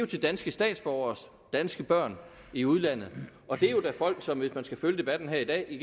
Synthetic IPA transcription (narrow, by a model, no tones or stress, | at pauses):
jo̝t͡sʰe̝ld̥ænsɡ̥əsd̥ɛ̰ːd̥sb̥ɒʊɐs | d̥ænsɡ̥əb̥ɶɐ̰n | iuðˠlæn̰ð̞̩ˠ | ɒ̽d̥e̝ɐjo̝d̥æfɒ̽l̰ɡ̥sɒ̽mʋe̝smænsɡ̥æføljəd̥e̝b̥æd̥n̩ɦæɐid̥ɛ̰ːiɡ